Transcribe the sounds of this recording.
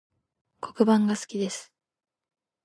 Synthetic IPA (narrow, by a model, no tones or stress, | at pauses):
kʰo̞̥kɯ̟bãŋɡasɨ̥kʲid̪e̞sɨ̥